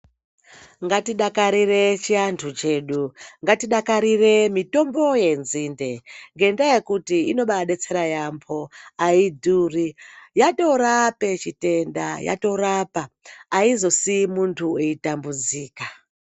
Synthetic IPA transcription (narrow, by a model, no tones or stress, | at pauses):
ŋɡatiɗakaɾire̞t͡ʃiantʰut͡ʃe̞ːɗuŋɡatiɗakaɾire̞mito̞mbo̞je̞nziːnde̞ŋɡe̞ndaje̞kutiino̞ɓaɗe̞t͡se̞ɾajampʰo̞aidʱuːrijato̞rape̞t͡ʃite̞nda̰ja̰to̞ɾapaːizo̞simuntʰueitambud͡ziːka